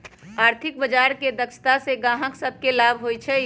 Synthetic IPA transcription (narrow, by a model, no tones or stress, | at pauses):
aːɾt̪ʰɪk̚bəd͡ʒaːɾked̪əkʃʰt̪aseɡãːɦə̃ksəb̪̚ʱkelaːbʱɦoit͡ʃʰɛ